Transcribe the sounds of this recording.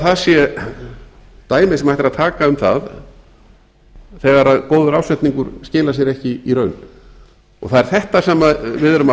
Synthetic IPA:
θaðsjɛ | t̪aːjmɪsɛmhajht̪ɾaðt̪ʰaːkaʏmθa̰ð | θɛɣaɾaðkoːwðʏɾaːwsɛt̪niŋkʏɾscɪːlas̬jɛɾɛhcɪiɾœːɥn | ɔ̰ɣθaðɛɾ̥θɛht̪asɛːmavɪðɾʏma

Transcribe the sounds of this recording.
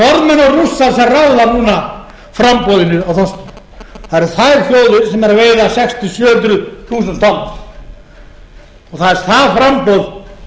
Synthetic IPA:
ɔɾðmɛnɔɣrusːaɾsɛmraːwðanuːna | fɾampɔwðɪnʏawθas | θaðɛɾ̥θajɾfjoːwðʏsɛmɛɾaveːjðasɛkst̪ʏsjœːʏnt̪ɾʏθuːsɛnt̪ʰɔl | ɔɣθaðɛɾ̥θaðfɾampɔːwð

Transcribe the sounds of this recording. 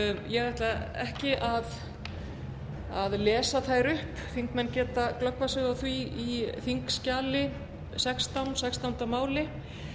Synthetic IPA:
jɛɣɾajht̪laɛ̰hcɪʔað | aðlɛːsaθaːjɾʏhp | θiŋkmɛnːcɛːt̪aklœkvasʏːɣawθviiθiŋkscaːlɪ | sɛkst̪awnsɛkst̪awnt̪amaːwlɪ

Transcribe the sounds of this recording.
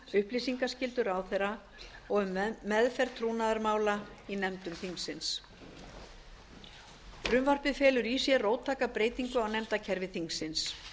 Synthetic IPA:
ʏhplisiŋkascɪlt̪ʏɾawθejɾa | ɔɣʏmːɛðfɛr̥t̪ʰɾuːnaðaɾmaːwla | inɛmt̪ʏmθiŋsɪns | fɾʏmvar̥pɪfɛːlʏɾisjɛroːwt̪ʰːaːkapɾeːjt̪iŋkʏawnɛmt̪acʰɛɾvɪθiŋsɪns

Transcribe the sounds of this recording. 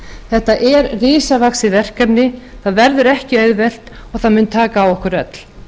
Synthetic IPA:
θɛht̪aʔɛɾrɪːsavaksɪvɛr̥kapnɪθaðvɛɾðʏɾɛhcɪœɥðvɛl̥t̪ɔɣθaðmʏnt̪ʰaːkaːwɔhkʏɾœt̪l̥

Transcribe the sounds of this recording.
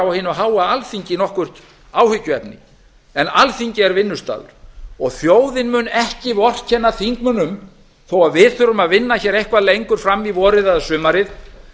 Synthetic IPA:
awahɪnːʏaɦaːwaalθiɲcɪnɔhkvʏr̥t̪ | aːwhʏcːʏɛpnɪ̰ | ɛnalθiɲcɪɛɾvɪnːʏst̪a̰ːðʏ̰ɾ̥ɔɣθjoːwðɪnmʏnɛhcɪvɔr̥cʰɛnːaθiŋkmʏnʏm | θowaðvɪðθʏɾʏmaðvɪnːaçɛːɾejhkvaðlejŋkʏɾ̥fɾamːivɔːɾɪðaðsʏːmaɾɪð

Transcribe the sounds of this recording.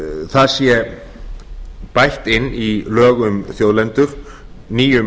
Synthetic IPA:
θaðsjɛ | pajht̪ɪnːilœːɣʏmθjowðlɛnt̪ʏɾ̥ | niːjʏ

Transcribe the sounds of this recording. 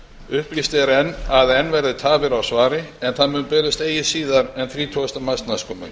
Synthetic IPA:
ʏhplist̪ɛɾɛnːaðɛnːvɛɾðʏt̪ʰaːvɪɾawsvaːɾɪɛnθaðmʏnpɛːɾɪst̪eːjɪsiːðaɾɛnθɾiːt̪ʰɔst̪amast̪naskʰɔmʏ̰n

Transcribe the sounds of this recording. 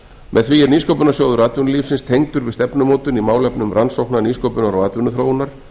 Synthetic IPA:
mʔɛðθviɛɾniːskowpʏnasjoːwðʏɾaːt̪vʏnʏliːfsɪnst̪ʰejŋt̪ʏɾvɪðst̪ɛpnʏmoːwt̪ʏnimaːwlɛpnʏmɾansowhknaniːskowpʏnaɾɔaːt̪vʏnʏθɾoːwnaɾ̥

